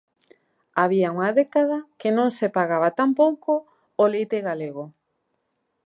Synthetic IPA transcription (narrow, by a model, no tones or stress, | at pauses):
aβ̞iauŋaðekað̞akenõŋsepaɣaβat̪ampowko | olejt̪eɣaleɣo